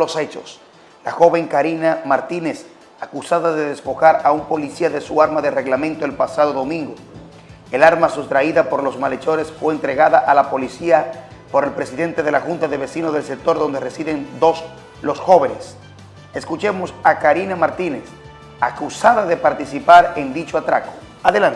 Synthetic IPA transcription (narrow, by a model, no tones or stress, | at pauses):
ose̞t͡ʃo̞̰s | laxo̞βe̞ŋkaɾinamaɾt̪ine̞s | akusaðaðe̞ðespo̞xaɾaumpo̞lisiaðe̞suaɾmaðe̞re̞ɣlamẽ̞nt̪oelpasaðo̞ðo̞mĩŋɡo | elaɾmasust̪ɾaiðapo̞ɾlo̞zmale̞t͡ʃo̞ɾesfwe̞ːnt̪ɾe̞ɣaðaʔalapo̞lisia | po̞ɾe̞lpɾe̞siðe̞nt̪e̞ð̞e̞laxunt̪aðe̞βe̞sinozðe̞lse̞k̚t̪o̞ɾðo̞nd̪e̞resiðend̪o̞s | lo̞sxo̞βe̞ne̞s | e̞skut͡ʃe̞mo̞sakaɾinamaɾt̪ine̞s | akusaðaðe̞paɾt̪isipaɾend̪it͡ʃoat̪ɾako̥ | aðelant̪